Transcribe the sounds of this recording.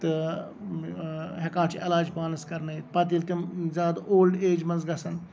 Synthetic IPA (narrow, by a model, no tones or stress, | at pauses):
t̪ɨ | ɦekãːt͡ʃʰielaːd͡ʒpaːnɐskɐɾnɐit̪pɐt̪̬ilt̪imzʲaːd̪oːlɖeːd͡ʒmɐnzɡɐsɐn